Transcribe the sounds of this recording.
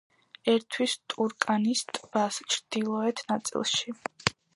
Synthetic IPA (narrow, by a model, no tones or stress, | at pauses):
ɛɾt̪ʰwist̪ʼuɾkʼanist̪ʼb̥ast͡ʃʰɾd̪̥ilˠɔɛt̪ʰnat̪sʼḭlˠʃi